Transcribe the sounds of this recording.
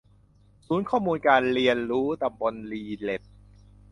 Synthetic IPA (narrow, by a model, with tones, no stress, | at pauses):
suː˩˦nkʰɔː˥˩muː˧nkaː˧nɾi˧ənɾuː˦˥t̪a˧mbo˧nliː˧le˨˩t̪̚